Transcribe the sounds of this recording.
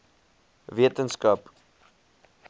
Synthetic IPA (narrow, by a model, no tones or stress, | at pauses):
viətənskɐp